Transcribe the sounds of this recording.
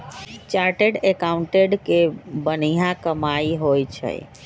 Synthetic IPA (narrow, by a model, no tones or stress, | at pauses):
t͡ʃaɾʈeɖekaʊɳʈeɖkebənijãkəmaiɦojt͡ʃʰə̰j